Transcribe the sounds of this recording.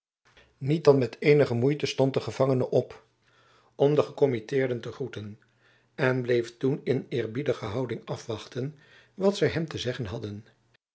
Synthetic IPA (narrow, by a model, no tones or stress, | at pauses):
nit̚dɑnmɛtʰejnəχəmujtəstɔnt̚dəχəv̥ɑŋənəʔɔp | ɔmdəχəkɔmitɪːɹdəntəχrutən | ɛnblejftunɪnɪːɹbidəχəɦɑwdɪŋɑfʋɑχtən | ʋɑtsɛjɦɛmtəzɛχənɦɑdən